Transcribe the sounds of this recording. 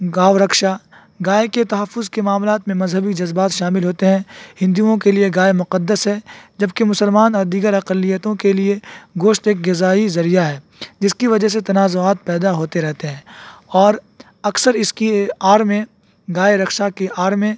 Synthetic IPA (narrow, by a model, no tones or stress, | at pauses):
ɡaːʋɾɐkʃa | ɡaːeket̪ɐɦəfːʊzkemaːmlaːt̪mẽmɐzɦəbid͡ʒɐzbaːt̪ʃaːmɪlɦoːt̪eɦɛ̃hɪ̃nd̪iõkelieɡaːemʊqəd̪ːəsɦɛːd͡ʒɐbkemʊsəlmaːnɔːɾd̪iːɡəɾɐqəlːijət̪õkelieɡoːʃt̪eːk̚ɡɪzaːizɐɾijaɦɛː | d͡ʒɪskiʋɐd͡ʒəɦs̬et̪ɐnaːzoaːt̪̚pɛːd̪aɦoːt̪eɾɛɦt̪eɦɛ̃ːɔːɾ | ɐksəɾɪskiaːɾmẽ | ɡaːeɾɐkʃakeʔaːɾmẽ